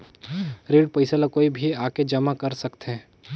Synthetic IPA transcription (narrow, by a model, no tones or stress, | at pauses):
ɾeːɖ̚pɐɪsalakoːibʱiaːked͡ʒɐmakɐɾsɐkt̪ɦẽ